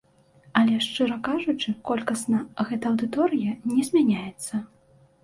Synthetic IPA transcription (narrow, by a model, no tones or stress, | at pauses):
ɐlʲɛʂt͡ʂɨɾɐkaʐut͡ʂɨkɔlʲkɐsʲnɐɣɛt̪ɐɐwd̪ɨt̪ɔɾɨjɐnʲɛzʲmʲanʲajɛt̪sːɐ